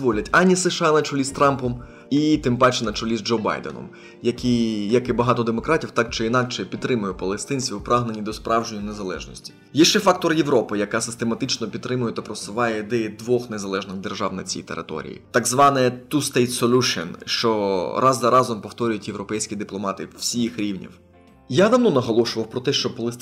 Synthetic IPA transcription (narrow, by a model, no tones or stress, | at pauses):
ʋɔlʲɐtʲɐnʲisɪʃɑnɐt͡ʃʊlʲist̪ɾɑmpɔm | it̪ɪmpɑt͡ʃɛnɐt͡ʃʊlʲizd͡ʒɔwbɑ̰jd̪ḛnɔ̰m | jɐkʲijɐkɪbɐɦɑt̪ɔd̪emɔkɾɑtʲiwt̪ɑk̚t͡ʃɪinɑkt͡ʃɛpʲid̪ɾɪmʊjʊpɐlˠest̪ɪnʲt͡sʲʋʲiwpɾɑɦnenʲid̪ɔspɾʔɑwʒenʲːɐne̞zɐlˠɛ̰ʒnɔ̰sʲtʲi̥ | jɛʃt͡ʃɛfɑk̚t̪ɔrjeʋɾɔpɪjɐkɑsɪ̥st̪emɐt̪ɪt͡ʃnɔpʲid̪t̪ːɾɪmʊjɛt̪ɐpɾɔsɪʋɑjɛd̪ɛjd̪ʋɔxnezɐlˠɛʒnɪɣd̪erʒɑwnɐ̰t͡sʲḭjt̪eɾɪ̰t̪ɔ̰ɾʲḭjḭt̪ɑɡzʋɑnɛt̪ust̪ɛjt̪sɔlʲuʃinʃt͡ʃɔɾɑzzɐɾɑzɔmpɔwt̪ɔɾʲʊjʊtʲjewɾɔpɛjsʲkʲid̪ɪplˠɔmɑt̪ɪwsʲixɾʲiwnʲḭw | jad̪ɐmnɔnɐɦɔlˠɔʃʊʋɐwpɾɔt̪ɛʃt͡ʃɔpɐlˠest̪